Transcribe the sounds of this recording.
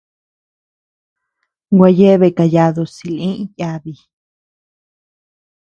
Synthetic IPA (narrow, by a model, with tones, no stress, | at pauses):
ɡʷa˧je˦βe˧˨ka˧ja˧ðo˧si˧˨lĩ˦ʔja˧βi˧